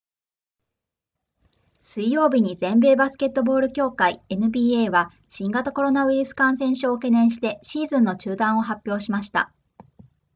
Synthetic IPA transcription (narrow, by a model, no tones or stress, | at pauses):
sɨijo̞ːbʲiɲ̟izẽ̞mbe̞ːbasɨ̥ke̞t̪ːo̞bo̞ːɾɯ̟kʲo̞ːkaie̞nɯ̟bʲiːeːβa | ɕĩŋɡat̪ako̞ɾo̞naβɯ̟iɾɯsɨ̥kãɰ̃sẽ̞ɰ̃ɕoːke̞nẽ̞ɰ̃ɕ̬i̥t̪e̞ɕiːzɨ̃nːo̞t͡ɕɨːd̪ãɰ̃o̞ɦapʲjo̞ːɕimaɕi̥t̪a̰